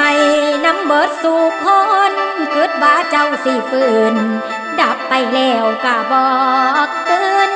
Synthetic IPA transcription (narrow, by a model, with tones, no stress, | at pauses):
a˧˩jna˧˥mbɤː˨˦t̪̚suː˧˩kʰo˧nkɯ˨˧˦ət̪̚baː˧˥t͡ɕa˧˩wsi˧˩pɯː˧˩n | da˨˩˦p̚pa˧˩jlɛː˧˩wkaː˧˩bɔː˧˩k̚t̪ɯː˧n